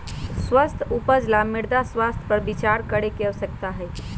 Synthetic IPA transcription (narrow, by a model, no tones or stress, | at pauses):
swəst̪ʰupəd͡ʒlamiɾd̪aswast̪ʰpəɾbit͡ʃaɾkəɾekesək̚t̪aɦɛj